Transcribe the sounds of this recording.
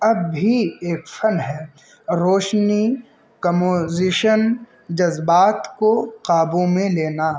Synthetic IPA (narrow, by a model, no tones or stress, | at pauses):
ɐbʱːieːkfɐnɦɛː | ɾoːʃni | kɐmoːzɪʃən | d͡ʒɐzbaːt̪koqaːbõmẽleːna